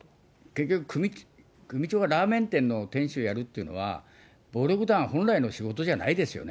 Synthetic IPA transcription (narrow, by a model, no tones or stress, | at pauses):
ke̞kʲːo̞kɯ̟kʰɯ̟mʲi | kɯ̟mʲit͡ɕo̞ːɡaɾaːmẽ̞nt̪ẽ̞nːo̞t̪ẽ̞ɰ̃ɕɨojaɾɯ̟t̪ːe̞iɯ̟no̞̰βa̰ | bo̞ːɾoɡɯ̟d̪ãɰ̃hõ̞nɾaino̞ɕiɡo̞t̪o̞ʑanaid̪e̞sɨjo̞̰ne